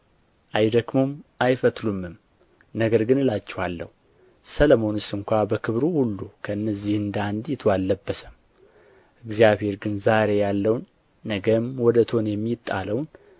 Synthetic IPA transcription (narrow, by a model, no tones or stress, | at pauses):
ʔajd̪əɡmo̞mʔajfət̪lumːɨm | nəɡəɾɡɨnɨlat͡ʃːɛhalːə̰hu | sələmo̞nɨst̪ɨŋkʷabəkʰɨβɾuhulːukʰəɨnːəzːihɨnd̪and̪jɪt̪ʰoalːəbːəsəm | ʔɨɡzijaβhe̞ɾɡɨnzaɾe̞jalːəwnː | əɡəmwɔd̪ət̪ʰo̞njɛmːit̪ʼːa̰ləwn